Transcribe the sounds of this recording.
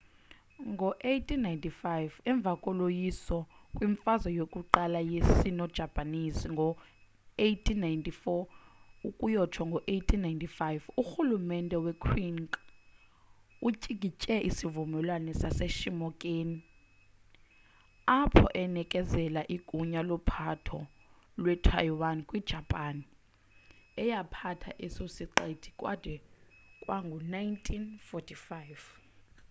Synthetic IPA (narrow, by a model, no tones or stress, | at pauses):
ŋɡʱɔʔejtʰinajntʼifajvɛɱb̪vʱakʼɔlojisɔkʼwiɱfazɔjokʼuǃalajesinɔd̥ʒ̥ʱab̥ʱʼanisiŋɡʱɔ | ejtʰinːajntʼifɔukʼujɔtʰwaŋɡʱɔʔejtʰinajntʼifajvuxulumɛndʼɛwɛkʰwiŋkʼ | ut͡ʃʼiɡ̥ʱit͡ʃʼɛʔisivumɛlwanɛsaseʃimɔkʼeːni | apʰɔ̰ʔɛnɛkʼɛzɛlaʔiɡ̥ʼʱuɲalɔpʰatʰɔ̰ | lwɛtʰa̰jwankʼwid̥ʒ̥ʱapʼani | ɛjapʰatʰa̰ʔisosiǃed̥ʰʱi̥kʼwa̰d̥ʱɛkʼwaŋɡʱɔnajintʰinfɔtʰifajv